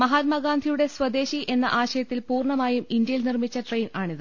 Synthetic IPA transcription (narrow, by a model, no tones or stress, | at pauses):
mɐɦaːt̪̚mɐɡaːnd̪ʱijuɽe̞swɐd̪e̞ːɕiʔe̞nːɐ̰ʔaːɕɐjɐt̪ːilpuːrɳɐmaːjumind̪jɐjilnirmit͡ɕːɐʈrejnaːɳiðɨ